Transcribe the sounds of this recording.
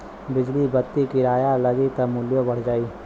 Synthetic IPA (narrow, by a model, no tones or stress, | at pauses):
bɪd͡ʒlibɐt̪ːikiɾaːjalɐɡit̪ɐmʊljõbɐɽ̤d͡ʒaːiː